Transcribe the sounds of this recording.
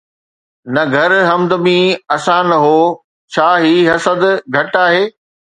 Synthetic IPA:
nɐɡʱɐɾɦɐmd̪əmĩɐsãnɐɦoː | t͡ɕʰaːɦiːɦɐsəd̪ɡʱɐʈaːɦeː

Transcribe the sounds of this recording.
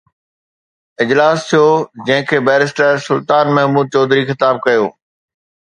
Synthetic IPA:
ɪd͡ʑlaːst̪ʰijoːd͡ʑɐ̃ɦɪ̃kʰeːbɛːɾɪsʈəsʊlt̪aːnmɛɦmuːd̪̚t͡ɕɔːd̪ɾixɪt̪aːb̚kɐjo̰ː

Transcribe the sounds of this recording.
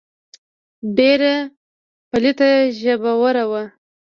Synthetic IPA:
ɖeɾa | palit̪aʒəbawəɾawa

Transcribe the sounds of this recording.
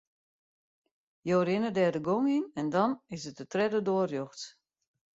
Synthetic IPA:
joːɾɪnədɛːdəɡoŋinɛndɔnɪsət̚ətrɛdədoərjoxt

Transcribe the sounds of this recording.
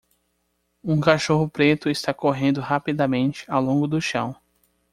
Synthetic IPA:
ũkaʃoɦʊpɾet̪ʊɪst̪akoɦẽnd̪ʊɦapid̪amẽnt͡ʃɪ̥awlõŋɡʊd̪ʊʃɐ̰̃w̃

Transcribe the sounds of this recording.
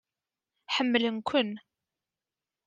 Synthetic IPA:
ħəmːlənkʷən

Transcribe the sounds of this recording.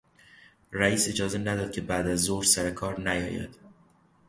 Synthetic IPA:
ræiːse̞d͡ʒɒːze̞næd̪ɒːd̪̚cʰe̞bæd̪æzːohɾsæɾekʰɒːɾnæjɒ̰ːjæ̰d̪̥

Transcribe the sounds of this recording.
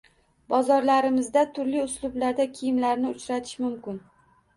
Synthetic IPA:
bɒzɒɾlaɾɪmɪzd̪at̪ʰʊɾlɪʊslˠʊblaɾd̪akʲʰijɪmlaɾnɪʊt͡ʃɾat̪ʰɪ̥ʃmʊmkʲɪn

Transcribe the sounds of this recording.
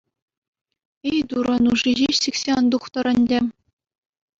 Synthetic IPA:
ejd̪uɾɤ̆nuʐiʑiɕsikʲsʲeɑnd̪uχt̪ɤ̆ɾɘ̆nʲdʲɘ̆

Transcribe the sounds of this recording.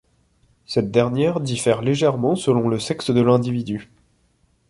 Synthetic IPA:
sɛt̪̚d̪ɛʁnjɛʁd̪ifɛʁleʒɛʁmɑ̃səlɔ̃ləsɛksd̪əlɛ̃d̪ivid̪y

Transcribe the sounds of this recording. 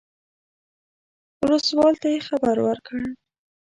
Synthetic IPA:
ʊləst̪wɑlt̪ajexabaɾwəɾkəɽ

